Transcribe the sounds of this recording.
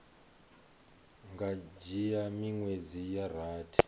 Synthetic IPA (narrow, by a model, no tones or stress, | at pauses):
ŋɡad͡ʒijamiŋwed͡zijar̤aːtʰi̥